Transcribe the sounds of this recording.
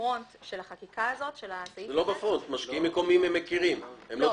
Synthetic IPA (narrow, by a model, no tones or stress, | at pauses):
ontʃelaχakikaazo̞tʃelazelo̞befʁont̪maʃkiimːeko̞mimemːekiʁimhemlo